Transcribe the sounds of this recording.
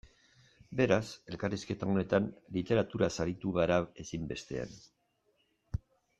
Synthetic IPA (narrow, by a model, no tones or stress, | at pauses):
be̞ɾase̞lkariske̞t̪ao̞ne̞t̪anlit̪e̞ɾat̪uɾasaɾit̪uɣaɾae̞simbe̞st̪e̞̰a̰n